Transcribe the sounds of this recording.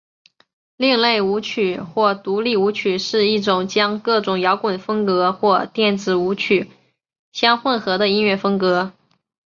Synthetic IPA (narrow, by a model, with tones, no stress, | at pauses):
li˥˧ŋle˥˩ɪu˧˥t͡ɕʰy˨˩˦xwɔ˥˩t̪u˧˥li˥˩u˧˥t͡ɕʰy˨˩ʂɻ̩˥˧i˥˩ʈ͡ʂʊ˨˩ŋt͡ɕjɑ˥ŋkɤ˥˩ʈ͡ʂʊ˨˩ŋjɑ˧˥ʊkwə˨˩nfɤ˥ŋkɤ˧˥xwɔ˥˧t̪jɛ˥˩nt͡sɹ̩˨˩u˧˥t͡ɕʰy˨˩˦ | ɕjɑ˥ŋxwə˥˩nxɤ˧˥d̪ə˧i˥nɥɛ˥˩fɤ˥ŋkɤ˧˥